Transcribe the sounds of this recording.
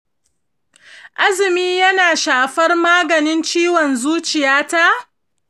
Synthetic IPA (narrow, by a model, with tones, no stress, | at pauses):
ʔa˦zɪ˨miː˦jɐ˦naː˨ʃaː˨ɸɐ˦rmaː˦ɡɐ˨nɪ˦nt͡ʃiː˦wɔ˨nzuː˦t͡ʃɪ˨jaː˦ta˦ʔ